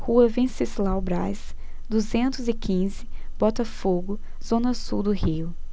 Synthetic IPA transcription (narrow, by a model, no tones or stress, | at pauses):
huɐvẽsizlawbɾajs | d̪uzẽnt̪ʊzɪkʰĩzɪbɔt̪ɐfoɡʊ | z̥õnɐsuwd̪ʊhiʊ